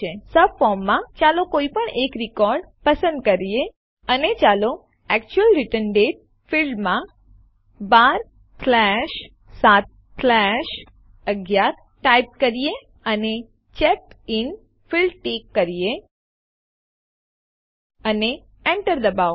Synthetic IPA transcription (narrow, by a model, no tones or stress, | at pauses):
esəbfɔɾmːãt͡ʃalokoipəɳekɾikɔɾɖ | pəsə̃nd̪̚kəɾije | ənet͡ʃalo | ɛkt͡ʃuəlɾɪʈənɖeʈ̚ | filɖmã | baɾ | slɛʃ | sat̪̚ | sɛʃ | əɡjaɾ | ʈaip̚kəɾije | əne | t͡ʃɛk̚ɪn | filɖʈekːəɾije | əne | ɛɳʈəɾd̪əbao